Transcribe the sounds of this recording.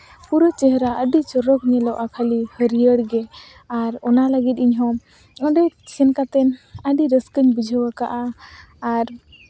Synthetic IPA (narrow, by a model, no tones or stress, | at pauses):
puɾɔt͡ʃɛɦɾaəɖit͡ʃɔɾɔk̚ɲɛlɔwʔakʰalihəɾijəɽɡɛ | aɾɔnaləɡit̪̚ˀiɲɦɔ | ɔɖɛsɛnkat̪ɛnəɖiɾəskəɲbud͡ʒʱəwaka̰ʔaː | ɾ